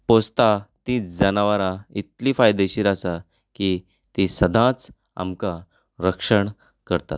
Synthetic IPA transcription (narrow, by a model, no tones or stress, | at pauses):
post̪at̪ĩːt͡sd͡zənaʋaɾait̪lifajd̪eɕiːɾasa | ki | t̪isəd̪ʱãt͡s | a̰mkã | ɾəkʂəɳ | kəɾt̪a̰t̪̚